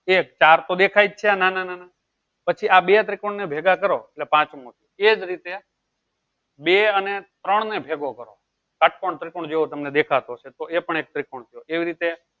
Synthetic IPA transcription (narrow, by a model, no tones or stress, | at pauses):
ek̚t͡ʃaɾt̪od̪ekʰajd͡ʒ̚t͡ʃʰeanananana | pət͡ʃʰiabet̪ɾikoɳnebʱeɡakəɾoeʈlepãt͡ʃmõt̪ʰijoed͡ʒɾit̪e | beənet̪ɾəɳnebʱeɡokəɾo̰ | kəʈ̚ʰkoɳt̪ɾikoɳd͡ʒeõt̪əmned̪ekʰat̪ot͡ʃʰet̪oepəɳek̚t̪ɾikoɳ̃t̪ʰijoeʋiɾit̪e